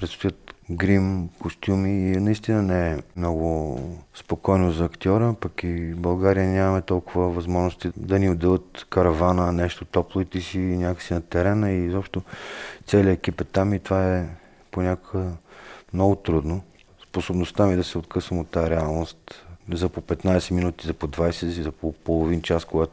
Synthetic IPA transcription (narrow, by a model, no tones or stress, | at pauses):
pɾɛt̪st̪ojət̪ɡɾimkost̪ʲjumiːnɐist̪inənɛɛmnɔɡʊspokɔjnozɐːkt̪ʲiɔɾəpɐkibɐlˠɡaɾijənʲamɐmɛt̪ɔlˠkʊvəvɐzmɔʒnost̪id̪ɐniod̪ɛlˠət̪kɐɾɐvanənɛʃt̪ot̪ɔplˠovit̪ɛsinʲakə̥ksinɐt̪ɛɾɛnəizɔpʃt̪ot̪sɛliəɛk̟ipɛt̪ːamit̪ovaɛ | ponʲakoɡəmnɔɡʊt̪ɾud̪no | sposobnost̪amid̪ɐsɛot̪̚kʰɤsvəmot̪ːaaɾɛalˠnost̪zɐpopɛt̪najsɛminut̪izɐpod̪vajsɛsizɐpopolˠovint͡ʃaskoɡat̪o